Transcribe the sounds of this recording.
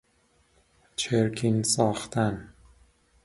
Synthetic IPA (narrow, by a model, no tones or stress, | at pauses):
t͡ʃʰeɾkʲʰinsɒːxt̪ʰæn